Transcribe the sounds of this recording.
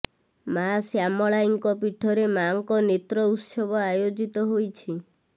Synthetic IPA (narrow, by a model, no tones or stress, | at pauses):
masjamɔɭajŋkɔpiʈʰːɔɾemaŋkɔnet̪ɾɔut̪ʃɔbɔajod͡ʒit̪ɔɦojt͡ʃʰi